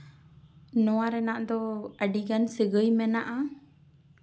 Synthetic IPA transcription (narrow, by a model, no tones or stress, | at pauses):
nɔwaɾɛnaʔd̪ɔəɖiɡansəɡəjmɛnaʔa